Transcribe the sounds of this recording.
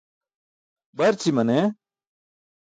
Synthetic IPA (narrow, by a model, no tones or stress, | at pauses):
bɐɾt͡ɕimɐne